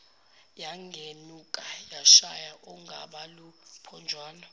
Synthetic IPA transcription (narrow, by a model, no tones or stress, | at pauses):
jaŋɡʱenukʼajaʃajaʔɔŋɡʱaɓalupʰɔnd͡ʒʱwaːnɔ